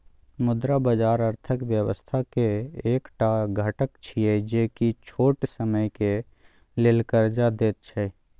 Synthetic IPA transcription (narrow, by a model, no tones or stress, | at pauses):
mʊd̪ɾabəd͡ʒaːɾəɾt̪ʰəkʋjəwəst̪ʰakeːkʈaɡʱəʈəkt͡ʃʰied͡ʒeːkit͡ʃʰoːʈsəməjke | lelkəɾd͡ʒad̪eːt̪̚t͡ʃʰɛ